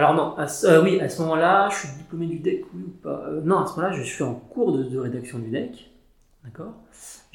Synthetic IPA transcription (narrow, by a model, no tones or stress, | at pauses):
alɔʁnɔ̃asøwiasəmɔmɑ̃laʒəʃɥid̪iplomed̪yd̪ɛkwiupa̰ønɔ̃asəmɔmɑ̃laʒəsɥiɑ̃kuʁd̪əd̪əʁed̪aksjɔ̃d̪yd̪ɛk | d̪̥akɔːʁʒ